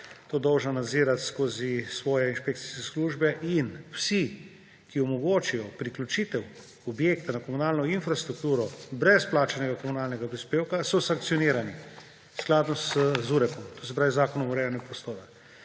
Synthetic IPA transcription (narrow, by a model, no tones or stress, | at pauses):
t̪oːd̪ɔwʒnanad̪ziːɾat̪skoːzisʋɔːjɛinʃpekt̪si̥skɛsluːʒbɛʔinwsi | kiɔmɔɡoːt͡ʃijɔpɾiklʲut͡ʃit̪ɛw | ɔbjeːkt̪anakɔmunaːlnɔinfɾast̪ɾuk̚t̪uːɾɔbɾɛsplaːt͡ʃanɛɡakɔmunaːlnɛɡapɾispeːwkasɔsaŋkt̪siɔniːɾani | sklaːd̪nɔzuːɾɛpɔmt̪oːs̬ɛp̬ɾaːʋizaːkɔnɔmɔɾeːlanɛɡapɾɔst̪oːɾa